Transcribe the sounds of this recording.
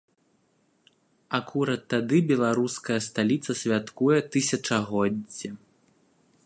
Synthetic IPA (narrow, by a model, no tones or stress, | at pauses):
akuɾɐt̪ːad̪ɨbʲɛlˠaɾuskɐjɐst̪alʲit̪sɐsʲvʲat̪kujɛt̪ɨsʲɐt͡ʂɐɣɔdd͡zʲːɛ